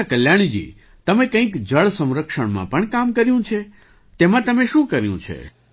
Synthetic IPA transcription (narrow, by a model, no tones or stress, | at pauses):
akəljaɳ̃d͡ʒḭ | t̪əmẽkə̃ĩkd͡ʒəɭsə̃mɾəkʂəɳmã̰pəɳkamkəɾjũt͡ʃʰe | t̪emãt̪əmeʃũkəɾjṵ̃t͡ʃʰḛ